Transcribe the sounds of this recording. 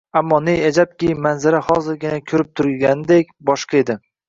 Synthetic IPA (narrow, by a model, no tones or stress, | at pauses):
amːɒnejad͡ʒap̚kʲɪmanzaɾahɒzɪɾɡʲɪnakʲʰɵɾɪp̚t̪ʰʊɾɡʲanɪd̪ekʲbɒʃqɑed̪ɪ